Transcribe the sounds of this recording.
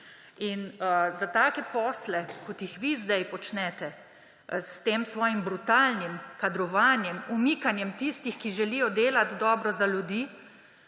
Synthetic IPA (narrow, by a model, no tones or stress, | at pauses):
inəzat̪aːkɛpɔːslɛkɔt̪jixʋizd̪ajpɔt͡ʃnɛt̪ɛ | st̪eːmsʋɔːjimbɾut̪aːlnimkad̪ɾɔʋaːnjɛmumikanjɛmt̪ist̪ixkiʒɛlijɔd̪eːlat̪d̪ɔːbɾɔzaljud̪iː